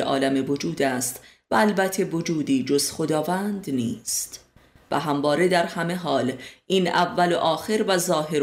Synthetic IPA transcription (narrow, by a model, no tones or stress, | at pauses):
eʔɒ̰ːlæmevo̞d͡ʒuːd̪æst̪ | væːlbæt̪ʰːe̞vo̞d͡ʒuːd̪iːd͡ʒo̞z̥xo̞d̪ɒːvæːnd̪niːst̪ | væɦæmvɒːɾe̞d̪æɾhæme̞ɦɒːlʔiːnævːæloʔɒːxe̞ɾvæzɒːɦe̞ɾ